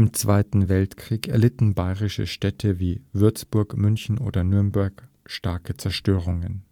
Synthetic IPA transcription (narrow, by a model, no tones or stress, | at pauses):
ɪmt͡sv̥aɪtn̩vɛltkʁ̥iːkɛɐlɪtn̩baɪʁɪʃə̰ʃtɛtʰəviːvʏɐt͡sb̥ʊɐkmʏnçn̩ʔo̰ːdɐnʏɐmbɛɐk | ʃtaɐkət͡sɛɐʃtøːʁ̞ʊŋən